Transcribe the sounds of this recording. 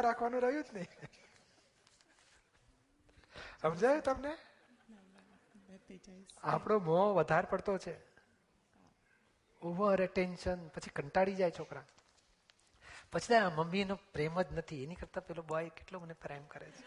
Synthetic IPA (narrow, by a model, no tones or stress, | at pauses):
ɾakʰʋanũɾəɦjũd͡ʒnəi | əmd͡ʒajot̪əmne | a̰pɽ̃omoʋəd̪ʱaɾpəɽt̪ot͡ʃʰe | oʋəɾeʈenʃənpət͡ʃʰi̥kəɳʈaɽid͡ʒajt͡ʃʰokɾa | pət͡ʃʰit̪aməmːinopɾeməd͡ʒnət̪ʰienikəɾt̪apɛɦlobəʋajkeʈlomənepɾajmkəɾet͡ʃʰe̥